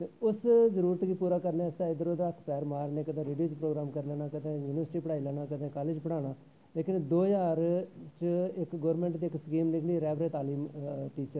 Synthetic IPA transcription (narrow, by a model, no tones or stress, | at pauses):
t̪eːʊszəɾuːɾət̪kiːpuːɾaːkəɾnẽːst̪aːɪd̪əɾoːd̪aːkʰpɛːɾmaːɾneːkəd̪ẽːɾeːɖioːt͡ʃpɾoːɡɾaːmkəɾlɛːnaːkəd̪ẽːjuːnɪʋəɾsʈiːpəɽaːiːlɛːnaːkəd̪ẽːkaːleːd͡ʒpəɽaːɽ̃aː | leːkɪnd̪oːjaːɾt͡ʃɪkɡoːɾmẽːɳʈd̪iːɪksəkiːmnɪkʰliːɾɛːʋɾeːt̪aːliːmʈiːt͡ʃəɾ